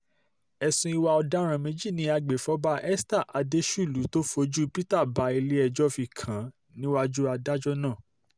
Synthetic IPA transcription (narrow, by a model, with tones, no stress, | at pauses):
ɛ˧sũ˧i˧wa˧ɔ˧da˦ɾ̃ã˧mẽ˦d͡ʒi˦˨nĩ˨˦a˧ɡ͡be˨fɔ˨˦ba˦ʔɛ˦sta˦˨ʔa˨˧de˦ʃu˦˨lu˨˦to˦fo˧˦d͡ʒu˦pi˦ta˦˨ba˨˧˦i˧le˦ɛ˧d͡ʒɔ˦fi˧˨kʰã˨˦ | nĩ˦wa˦d͡ʒu˦a˧da˦d͡ʒɔ˦nãː˦˨